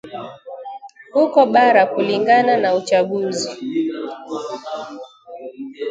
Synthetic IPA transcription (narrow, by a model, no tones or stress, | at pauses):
hukɔɓaɾakuliŋɡananaut͡ʃaɠuzi